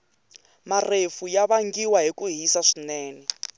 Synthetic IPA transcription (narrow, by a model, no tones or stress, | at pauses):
marefujaβaŋɡiwaɦikuɦisaʂinɛːnɛ